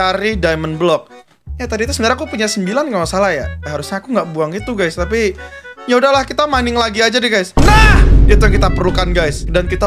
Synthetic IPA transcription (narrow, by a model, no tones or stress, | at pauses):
aɾihdajmənblɔk̚ | jat̪adit̪usəndaɾŋakupuɲasəmbilankəmasalahjaɦaɾusɲaːkuŋɡaʔbuaŋɡit̪uɡajst̪ap̬ijaudahlahkit̪amanɪŋlaɡiad͡ʒadiɡajsnahdiat̪̬ujaŋkit̪apərlukanɡajsdankit̪a